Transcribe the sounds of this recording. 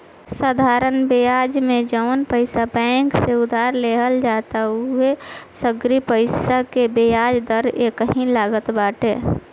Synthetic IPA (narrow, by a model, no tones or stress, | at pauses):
səːd̪ʱaːɾənbejaːd͡ʒmẽd͡ʒəʋnpəɪsabɛ̃ːkseʊd̪ʱaːɾleɦəld͡ʒaːt̪aɦuesəɡɾipəɪsakebejaːd͡ʒd̪əɾekəɦĩlaːɡət̪baːʈḛː